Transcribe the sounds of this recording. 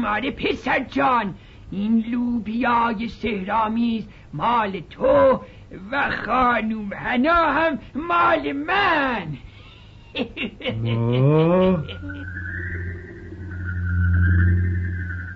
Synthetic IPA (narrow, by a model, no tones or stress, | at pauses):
mɑːɾepʰesæɾd͡ʒɑːn | inluːbijɑːjesehɾɑːmiːz | mɑːlet̪ʰo | væxɑːnuːmhænɑːhæmːɑːlemæn